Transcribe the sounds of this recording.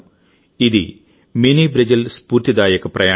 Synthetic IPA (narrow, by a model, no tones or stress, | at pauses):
iðḭ | minibɾɐd͡ʑɐlspuːrt̪id̪aːjɐkːɨprɐjaː